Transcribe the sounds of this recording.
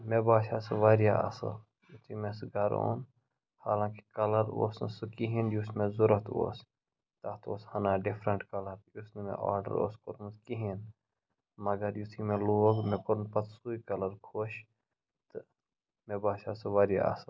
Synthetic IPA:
mebaːʃaːsɨʋaːɾjaɐ̰sɐ̰l | jut̪ʰimẽsɡɐɾo̰ːn | haːlãːki̥kɐlɐɾo̰ːsnɨ̰sɨkiɦinjusmẽzuɾɐt̪o̰ːs | t̪at̪o̰ːshɐnaːɖipʰɾɐɳʈkɐlɐɾjusnmḛ̃ʔa̰ːɾɖə̰ɾo̰ːskoɾmskiɦin | mɐɡɐɾjut̪ʰimẽloːɡmẽpuɾnpɐt̪suːikɐlɐɾkʰoʃ | t̪ɨ | mebaːʃaːsɨʋaːɾja̰ɐ̰sɐl

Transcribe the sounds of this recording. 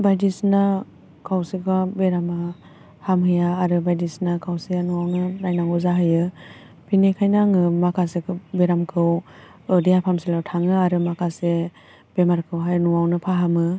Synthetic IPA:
bajdisna | kʰawsɯkʰabeɾama | hamhɯjaːɾɯbajdisnakʰawsijanuwawnɯnajnaŋɔzaɦɯjɯ | pʰinekʰajnaŋɯmakʰasekʰɯbeɾamkʰɯw | ɯdijapʰamsilawtʰaŋɯaɾɯmakʰase | b̥emaɾkʰɯwɦajnuwawnɯpʰaɦamɯ

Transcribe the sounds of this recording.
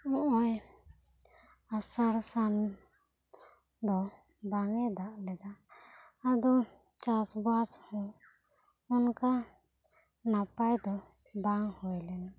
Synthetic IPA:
ɔʔɔj | asaɾsan | d̪ɔ | baŋɛd̪aʔlɛɡ̪aː | d̪ɔt͡ʃasbashɔ | ɔnka | napajd̪ɔ | baŋhɔjlɛna

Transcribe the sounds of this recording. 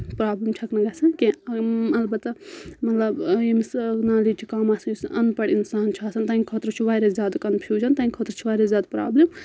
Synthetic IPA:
pɾaːblimt͡ʃʲʰɐknɐɡɐsɐnkimɐlbɐt̪ːɐmɐt̪lɐbemsnaːlit͡ʃʰikaːmasɐjisɐnpɐɽinsaːnt͡ʃʰaːsɐnt̪aːkʰot̪ɾot͡ʃʰuʋaːɾɐzʲjaːd̪kɐnpʰiːd͡ʒʰɐnt̪aːnʲkʰot̪ɾɐt͡ʃʰiʋaːɾɐzʲjaːd̪pɾa̰ːblem

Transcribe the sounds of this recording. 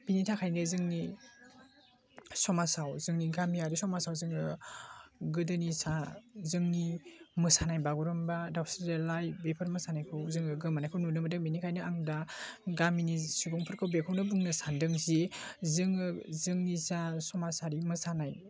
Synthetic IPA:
binitʰakʰajnɯzɯŋni | sɔmasawzɯŋniɡamiaɾisɔmasawzɯŋɯ | ɡɯdɯnisazɯŋnimɯsanajbaɡuɾɔmbadawstɾdelajbepʰaɾmɯsanajkʰɯwzɯŋɯɡɯmanajkʰɯwnunɯmɯdɯŋminikʰajnɯaŋdaɡaminisubɔŋpʰɯɾkʰɯwbekʰɔwnɯbuŋnɯsandɯŋzizɯŋɯzɯŋnisasɔmasaɾimɯsanaj

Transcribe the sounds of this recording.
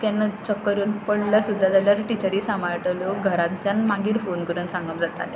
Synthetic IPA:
k̪anːət͡ɕəkːəɾuːnpəɽləsud̪ʱːad͡z̪aljaɾʈit͡ɕəɾiːsamaɭʈəluɡʱəɾat̪t͡ɕjanmaɡiːɾfonkəɾuːnsãŋɡəpd͡zat̪a̰le

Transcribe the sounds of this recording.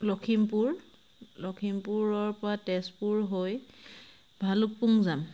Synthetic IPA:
lɔkʰimpuɹ | lɔkʰimpuɹɔɹpɔɹatɛspuɹɦoj | bʱaluk̚puŋzam

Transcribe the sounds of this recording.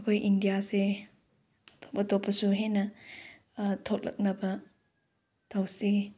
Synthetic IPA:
ɐkʰojʔindijase | tʰo̥pːɐtʰopːɐsuɦenɐ | tʰot̚lʔɐ̰k̚nɐbɐ | tʰawsi

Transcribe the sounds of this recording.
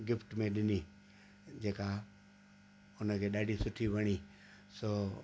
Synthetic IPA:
ɡɪfʈmẽɗɪni | d͡ʒeːka | ʊnəkʰeɗaːɖʱisʊʈʰibʱəɽ̃iː | soː

